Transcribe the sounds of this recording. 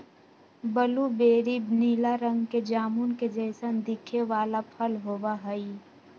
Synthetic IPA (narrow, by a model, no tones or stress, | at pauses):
bəlubeːɾibniːlaɾə̃ŋɡked͡ʒaːmunked͡ʒɛːsənd̪ɪkʰeʋaːlapʰəlɦoːwaɦəi